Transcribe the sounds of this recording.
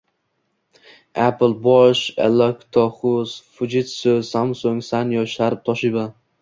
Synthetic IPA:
aplˠbɒʃḛlakt̪ʰɒχʊz̥fʊd͡ʒɪt̪sɵz̥hamsoŋsanjɒʃaɾɪp̚t̪ʰɒʃɪba

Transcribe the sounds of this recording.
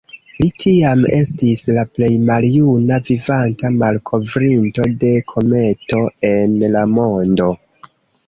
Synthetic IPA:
litʰiame̞stislaple̞jmaljunavivantamalkʰo̞vɾinto̞de̞kʰo̞me̞to̞e̞nlamo̞ndo̞

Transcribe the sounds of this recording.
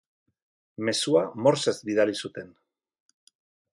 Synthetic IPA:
me̞suamo̞ɾsezbiðalisut̪e̞n

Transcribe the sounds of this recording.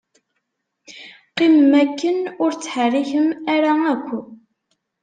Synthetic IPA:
qimmækːənʊɾt͡sːħərːiçəmæɾaækʷː

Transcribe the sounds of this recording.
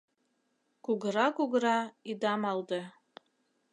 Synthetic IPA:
kuɡəɾɑkuɡəɾɑid̪ɑmɑld̪ɤ

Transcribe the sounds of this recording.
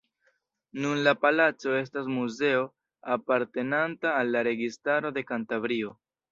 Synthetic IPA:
nunlapalat͡so̞e̞s̬tas̬muze̞o̞ | apaɾte̞nantaːlːaɾe̞ɡistaɾo̞de̞kantavɾio̞

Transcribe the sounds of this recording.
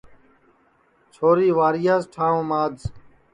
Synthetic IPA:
t͡ʃʰoːɾiːʋaːɾɪjaːzʈʰaːõːmaːdz

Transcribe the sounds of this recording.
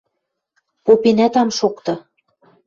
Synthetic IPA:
popenæt̪ɑmʃokt̪ɤ̆

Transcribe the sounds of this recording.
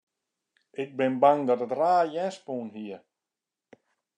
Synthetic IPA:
ɪk̚bɪnbaŋdɔtətraːjɛspuːnɦiə

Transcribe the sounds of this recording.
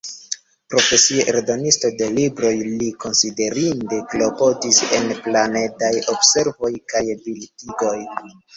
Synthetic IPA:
pɾo̞fe̞sieʔeɾdo̞nisto̞de̞libɾo̞jliko̞nside̞ɾinde̞klo̞po̞dise̞nplane̞dajo̞bse̞ɾvo̞jkajbiltiɡo̞j

